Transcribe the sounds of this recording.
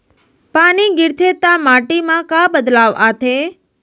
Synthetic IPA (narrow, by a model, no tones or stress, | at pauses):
paniɡɪɾt̪ʰet̪amaʈimãkabəd̪laʋat̪ʰe